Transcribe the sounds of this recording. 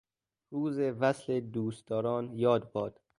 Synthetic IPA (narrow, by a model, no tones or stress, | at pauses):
ɾuːzevæsled̪uːst̪ɒːɾɒːnjɒːd̪̚bɒːd̪̥